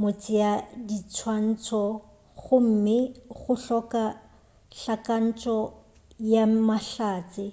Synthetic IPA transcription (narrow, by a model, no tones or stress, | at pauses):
mot͡sʼɪadit͡sʰwan̩t͡sʰʼɔ | ɣʊm̩mɪɣʊɬɔka | ɬakʼan̩t͡ʃʼɔ | jamaɬaːt͡sʼɪ